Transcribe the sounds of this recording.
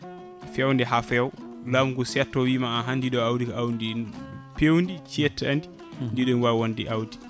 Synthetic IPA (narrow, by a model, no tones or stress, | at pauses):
fɛwndɛɦafɛw | lamɡusɛtːɔwiːmaaɦandiɗɔawdikaʔawndinpewndit͡ʃɛtːandi | ndiɗɔnwawondiʔawdi